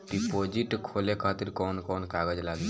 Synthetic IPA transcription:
ɖipod͡ʒiʈkʰoːlekʰaːt̪iɾkɔːnkɔːnkaɡəd͡ʒlaɡ

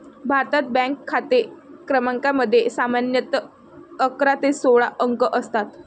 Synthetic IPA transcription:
bʱaɾt̪at̪̚bɛ̃ŋkʰːat̪ekɾəmaŋkaməd̪ʱːjesamanjət̪ə | əkɾat̪esoɭaʔəŋkəʔəst̪at̪

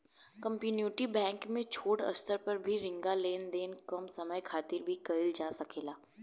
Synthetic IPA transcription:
kə̃mpjuːnjuːʈibɛ̃ːŋkmẽt͡ʃʰoːʈɐ̰st̪ʰəɾpɐɾbʱiɾɪ̃ŋɡaleːnd̪eːnkɐmsɐməjkʰaːt̪ɪɾbʱikɐɪld͡ʒaːsɐkʰeːlaː

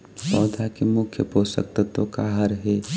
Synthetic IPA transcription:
pɔːd̪ʱakemʊkʰjəpoːsə̰k̚t̪ət̪okaːɦəɾɦɛː

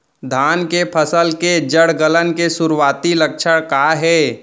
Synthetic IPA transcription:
d̪ʱaːnkepʰəsəlked͡ʒəɽɡələnkesʊɾwaːt̪ilək̚ʃʰəɽ̃kaːɦɛː

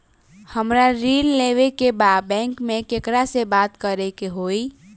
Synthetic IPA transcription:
həmɾaɾilleʋekebad̪̚bɛ̃ŋkmekekɾasebat̪kəɾekeɦoi

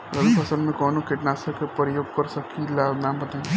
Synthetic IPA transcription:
lɐɡpʰɐsəlmẽkɔːnokɪʈnaːsɐkepɐɾijoːɡ̚kɐɾsɐkʰilanãːmbɐt̪ã

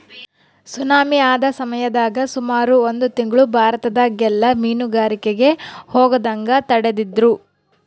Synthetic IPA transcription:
sunaːmiaːd̪ɐsɐmɐjɐd̪aːɡɐsumaːɾuond̪ut̪iŋɡɐɭubʱaːɾɐt̪ɐd̪ɐɡɛlːɐmiːnuɡaːɾikeɡe̞hoːɡɐd̪ɐŋɡɐt̪ɐɽed̪id̪ɾu

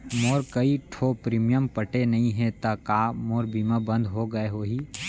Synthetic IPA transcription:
moːɾkɐiʈʰoːpɾiːmijəmpəʈenɐɦĩɦɛ̃t̪ɐkaːmoːɾbiːmabɐ̃nd̪ʱɦoɡɐeɦoːɦiː

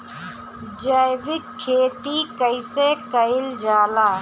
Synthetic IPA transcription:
d͡ʒəɪʋɪkʰːeːt̪iːkəɪseːkəɪld͡ʒaːlaː

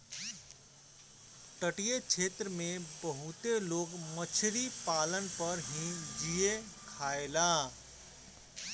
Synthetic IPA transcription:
ʈəʈijet͡ʃʰeːt̪ɾəmẽbəɦut̪eloːɡmət͡ʃʰɾipaːlənpəɾɦĩd͡ʒijekʰaːelaː

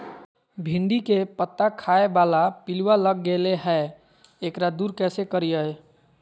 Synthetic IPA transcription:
bʱiɳɖikepət̪ːakʰaebalapilwaləɡːeleɦɛ | ekɾad̪uɾkɛsekəɾijəj

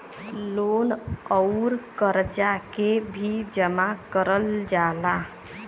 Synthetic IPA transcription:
lonəʊɾkəɾd͡ʒakebʱid͡ʒəmakəɾəld͡ʒala

